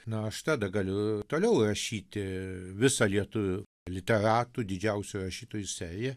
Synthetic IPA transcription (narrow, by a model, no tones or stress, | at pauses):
nʊɐʃt̪ɑːd̪ɐɡɐlʲʊt̪oːlʲɛʊrɐʃʲiːt̪ʲɪʋʲɪsɐlʲiɛt̪ʊʋʲʊ | lʲɪt̪ʲɛɾɑːt̪uːd̪ʲɪd͡ʒʲɛʊsʲʊrɐʃʲiːt̪oːjʊsʲæːɾʲɪjɛ